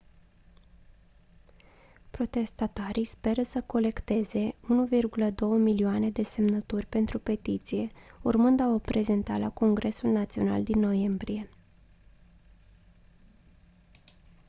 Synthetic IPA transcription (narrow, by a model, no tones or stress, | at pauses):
pɾo̞t̪e̞st̪at̪aɾijspe̞ɾəsəko̞le̞kt̪e̞ze̞unuvirɡuləd̪o̞wəmilioane̞d̪e̞se̞mnət̪urʲpe̞nt̪ɾupe̞t̪it̪sije̞urmɨnd̪aopɾe̞ze̞nt̪alako̞ŋɡɾʔe̞sulnat̪sio̞na̰ld̪inːo̞je̞mbɾije̞